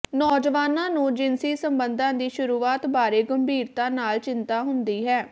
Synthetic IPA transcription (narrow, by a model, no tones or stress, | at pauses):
nɔːd͡ʒəʋaːnãːnũːd͡ʒɪnsiːsəmbənd̪ãːd̪iːʃʊɾuːaːt̪baːɾeːɡəmbʱiːɾt̪ãːnaːlt͡ʃɪnt̪aːɦʊnd̪iːɦɛː